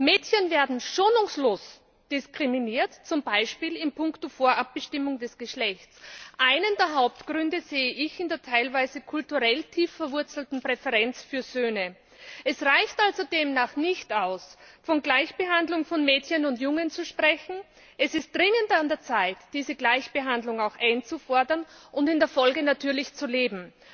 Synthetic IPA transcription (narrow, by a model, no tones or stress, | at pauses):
mɛːtçənveːɐdn̩ʃoːnʊŋsloːs | d̥ɪskʁ̥ɪminiːɐtt͡sʊmbaɪʃpiːlɪmpʰʊŋktofoːɐʔap̚b̥əʃtɪmʊŋdɛsɡ̥əʃlɛçtt͡sʔaɪnəndeːɐɦaʊp̚tɡ̥ʁʏndəzeːəʔɪçɪndeːɐtʰaɪlvaɪzəkʰʊltuʁɛltʰiːfɛɐvʊɐt͡sl̩tn̩pʁ̥ɛfəʁɛnt͡sfyːɐzøːnə | ʔɛsʁaɪçtalzodeːmnaːχnɪçtaʊsfɔnɡlaɪçb̥əɦandlʊŋfɔnmɛːtçənʊntjʊŋənt͡suʃpʁ̥ɛçn̩ | ʔɛsɪst̚d̥ʁɪŋəndandeːɐt͡saɪtd̥iːzəɡlaɪçb̥əɦandlʊŋaʊxʔaɪnt͡sufɔɐdɐnʔʊndɪndeːɐfɔlɡənatʰyːɐlɪçt͡suleːbm̩